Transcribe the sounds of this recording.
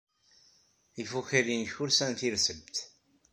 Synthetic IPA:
ifuçiɾinçʊɾsænθiɾsəbt̪

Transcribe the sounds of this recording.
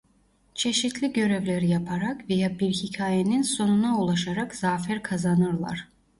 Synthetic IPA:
t͡ʃʰe̞ʃit̪ʰlʲiɟø̞ɾevlʲeɾijapʰaɾakvejabiɾhicʰaːjeninso̞nunaulˠaʃaɾakz̥aːfæɾkʰazanɯɾlˠa̰ɾ̥

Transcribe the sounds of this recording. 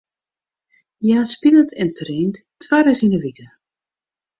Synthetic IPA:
jaspilətʰɛntreːnttwaɾəsinəʋikə

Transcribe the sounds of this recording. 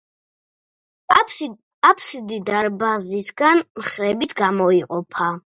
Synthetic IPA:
apʰsid̪id̪aɾbazd̪it̪ʰɡanmχɾɛbit̪ʰɡamɔiqʼɔpʰa

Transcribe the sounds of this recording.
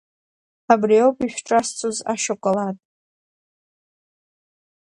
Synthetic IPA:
abriowpʼiʃʲᶣʈ͡ʂʼast͡sʰʼuza̰ʃakʷʼalatʼ

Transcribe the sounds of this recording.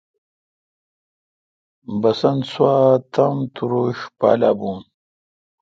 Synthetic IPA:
bɐsɐnswaːt̪ʰɐmt̪uɾoːɕpa̰ːlaːbuːn

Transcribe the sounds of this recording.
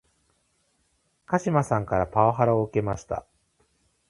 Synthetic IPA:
kaɕimasãŋkaɾapaoɦaɾaoɯ̟ke̞maɕi̥t̪a̰

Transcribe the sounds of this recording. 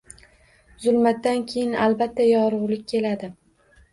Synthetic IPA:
zʊlˠmat̪ːankʲʰejɪnalbat̪ʰːajɒɾʊʁlɪk̚ʲkʲʰːe̞lad̪ɪ

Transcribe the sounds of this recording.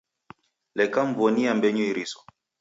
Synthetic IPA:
lɛkaɱvɔniambɛɲuiɾisɔ̥

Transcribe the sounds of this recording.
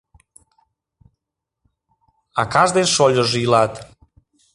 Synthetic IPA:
a̰kazd̪ensɔʎozilat̪

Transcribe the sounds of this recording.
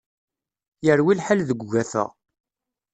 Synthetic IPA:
jəɾwilħalðəɡʷːæθə̰ʁ

